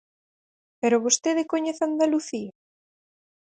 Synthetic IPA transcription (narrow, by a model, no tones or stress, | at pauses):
peɾoβost̪eðekoɲeθand̪aluθia